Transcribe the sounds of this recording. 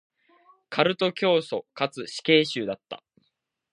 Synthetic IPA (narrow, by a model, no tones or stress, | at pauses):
kʰaɾɯ̟t̪o̞kʲo̞ːso̞kat͡sɨɕi̥ke̞ːɕɨːd̪at̪ːa̰